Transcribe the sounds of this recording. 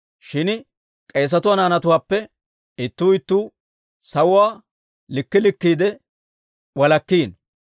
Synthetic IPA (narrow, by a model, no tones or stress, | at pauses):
ʃɪn | kʼeːs̬ɐt̪ʊwaːnaːnɐt̪ʊwaːpːɛ | ɪt̪ːuːɪt̪ːuː | sɐwʊwaː | lɪkːɪlɪkːiːd̪ɛ | wɐlɐkːiːn